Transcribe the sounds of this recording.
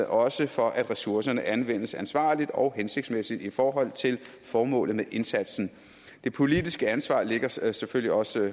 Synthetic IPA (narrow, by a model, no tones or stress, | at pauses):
ʔɒ̽səfɒ̽ʔæd̥ʁɛsuɐsɐnəʔænʋen̰əsænsʋɑ̈ːlid̥ɒ̽ʊɦense̝ɡ̥smesid̥ifɒːɦɒ̽l̰t͡sʰe̝l | fɒːmɔ̰̽ːlð̩ˠmeʔe̝nsæd̥sn̩ | d̥e̝pʰo̝lid̥isɡ̥əænsʋɑ̰̈ːle̝ɡ̥ɐseføl̰liɒ̽sə